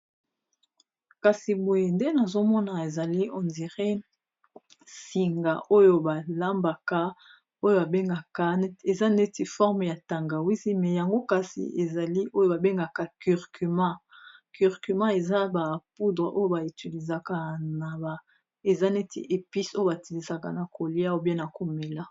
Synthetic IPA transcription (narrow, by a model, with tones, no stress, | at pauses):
ka˨si˨bo˨je˨nde˦na˨zo˦mɔ˦na˨e˨za˨li˦ɔ˨ndi˨ʁe˦ | si˨ŋɡa̰˨ʔo˦jo˨ba˨la˦mba˨ka˦ | o˦jo˦ba˨be˦ŋɡa˨ka˦e˨za˦ne˦ti˨fɔ˦ʁm˨ja˨ta˨ŋɡa˨wi˦zi˦mɛ˨ja˨ŋɡo˦ka˨sḭ˨ʔe˨za˨li˦ʔo˦jo˦ba˨be˦ŋɡa˨ka˨ky˨ʁky˨mã˦ky˨ʁky˨mã˦e˨za˦ba˨pu˦dʁḛ˨ʔo˦jo˦˨ba˨i˨ti˨li˨za˨ka˦na˨ba˨ | e˨za˦ne˦tʰḭ˨ʔe˨pi˦so˦jo˦ba˨ti˨li˨sa˨ka̰˨na˨ko˨li˦a˦o˨bje˦na˨ko˨me˨la˦